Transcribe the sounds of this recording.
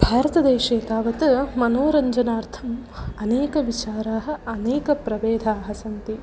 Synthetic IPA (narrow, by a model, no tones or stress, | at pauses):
bʱaːɾɐt̪ɐd̪eːʃeːkaːʋɐt̪mɐnoːɾɐɲd͡ʒɐnaːɾt̪ʰɐmɐneːkɐʋit͡ʃaːɾaːɦɐ̆ɐneːkɐpɾɐʋeːd̪ʱaːɦɐsɐnt̪i